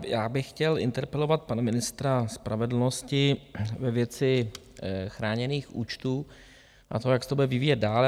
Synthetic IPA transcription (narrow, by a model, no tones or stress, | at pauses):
jaːbɪxxcɛlɪ̰nt̪ɛɾpɛlo̞vat̪̚panamɪnɪst̪ɾaspɾavɛdl̩no̞scɪvɛvjɛt͡sɪ | xɾaːɲɛniːxʔṵːt͡ʃt̪uː | ʔa̰t̪ojaksɛt̪obudɛvɪviːjɛt̪̚daːl